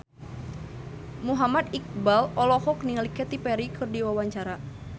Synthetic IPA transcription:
muɦamad̪ik̚balɔlɔhɔk̚niŋlikɛt̪ipɛɾikʰɨrdiwawaɲt͡ʃaɾa

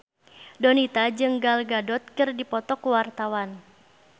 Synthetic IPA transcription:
dɔnit̪ad͡ʒɨŋɡalɡadɔt̪̚kɨrdipɔt̪ɔkuwart̪awan

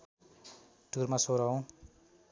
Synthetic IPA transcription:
ɖ̥ʱurmasoɾaw̃

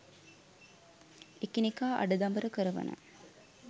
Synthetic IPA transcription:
ekinikaːʔa̰ɖəd̪ɐmbəɾəkəɾəʋɐ̰nə̰

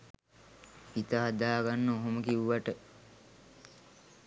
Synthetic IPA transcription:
it̪əɦad̪aːɡanːəoɦoməkiʋuʋaʈə

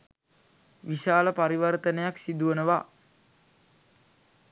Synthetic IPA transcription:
ʋisaːləpaɾiʋərt̪ənəjaksid̪uʋənəʋa

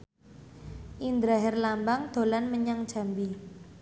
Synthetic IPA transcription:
ʔind̪ɾaɦɛrlambaŋd̪̥o̤lanməɲaŋd̥ʒ̥a̤mbi

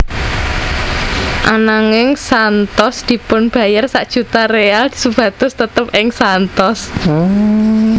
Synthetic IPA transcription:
ʔanaŋɪŋsant̪ɔsd̪̥i̤pʊnb̥ä̤jarsaʔd̥ʒ̥ṳt̪areald̪̥i̥sub̥ä̤t̪ʊst̪ət̪əp̚ɪŋsant̪ɔs

